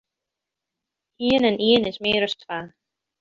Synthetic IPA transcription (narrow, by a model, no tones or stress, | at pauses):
hiːnɛnʔiːnɪsmeːɾœst̪ʰvaː